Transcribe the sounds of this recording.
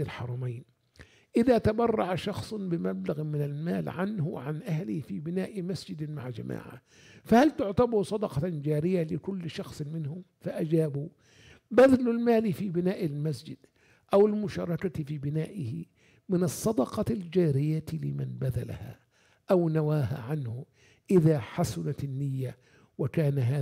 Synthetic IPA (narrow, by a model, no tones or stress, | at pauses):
ɪlħɑ̰ɾˤɑmajn | ʔɪðaːt̪abɑrˤːɑʕaʃɑxsˤbɪmablaɣmɪnalma̰ːlʕanhʊʕanʔahlɪhfiːbɪnaːʔmasd͡ʒɪd̪ma̰ʕd͡ʒa̰mʔa̰ːʕa̰ | fahalt̪ʊʕt̪ɑbusˤɑd̪ɑqɑd͡ʒaːɾɪjalɪkʊlːʃɑxsˤmɪnhʊmfaʔad͡ʒaːbu | baðalʊlmaːlifiːbɪnaːʔɪlmasd͡ʒɪd̪ | ʔawɪlmʊʃɑ̰ːɾˤɑkafiːbɪnaːʔɪhɪ̰ | mɪnɨsˤːɑd̪ɑqɑld͡ʒaːɾɪjːat̪lɪmanbaða̰la̰ha̰ | ʔawnawaːha̰ʕanhʊ | ʔɪðaħasʊnat̪ɪnːɪjːa | wɪkaːnaɦaː